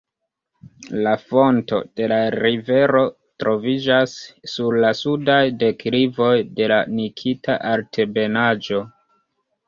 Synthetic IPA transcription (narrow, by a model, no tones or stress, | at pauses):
lafo̞nto̞̰d̥e̞laɾive̞ɾo̞ | tɾo̞vid͡ʒasːuɾlasudajde̞kɾivo̞jde̞lanikʰitaʔaɾtʰe̞be̞nad͡ʒo̞